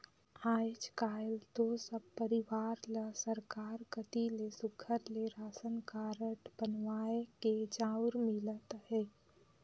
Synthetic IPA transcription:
aːd͡ʒkaːjlt̪osəbpəɾɪʋaːɾləsəɾkaːɾkət̪ilesʊɡʰəɾleɾaːsənkaːɾəʈbənwaːeked͡ʒaːʊɾmɪlət̪hɛː

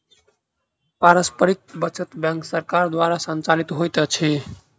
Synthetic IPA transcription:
paɾəspəɾik̪̚bət͡ʃət̪bjãŋksəɾkaɾd̪waɾasənt͡ʃalit̪ɦojt̪t͡ʃʰi

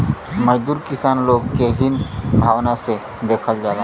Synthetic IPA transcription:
məd͡ʒd̪uːɾkɪsaːnloːɡkeɦɪnbʱaːʋnase | d̪eːkʰəld͡ʒaːd̪a

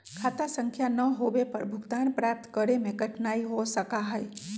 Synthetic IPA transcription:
kʰat̪asəŋkʰjanəɦoʋepəɾbʱʊɡt̪anpɾap̚t̪kəɾemẽɡʱəʈʰnaiɦosəkaɦəj

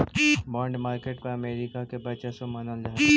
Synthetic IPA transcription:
bɔ̃ːɳɖmaːɾkeʈpɐɾɐmeːɾikakebɐt͡ʃesomɐnəld͡ʒaɦ

